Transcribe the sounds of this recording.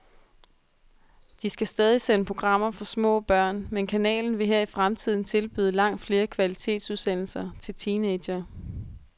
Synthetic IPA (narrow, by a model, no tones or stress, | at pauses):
d̥isɡ̥æsd̥ɛːð̞ˠisenəpʰʁo̝ɡ̥ʁɑ̈m̰ɐfɒ̽smɔ̰̽ːb̥ɶɐ̰nmenkʰænɛ̰ːln̩ʋe̝ɦɛɐ̰ifʁamt͡sʰið̞̰ˠn̩t͡sʰe̝lb̥y̰ːð̞ˠəlɑ̈ŋ̰d̥fle̝ːɐkʰʋælit͡sʰe̝̰ːd̥suð̞ˠsen̰l̩sɐt͡sʰe̝lt͡sʰiːne̥ɐ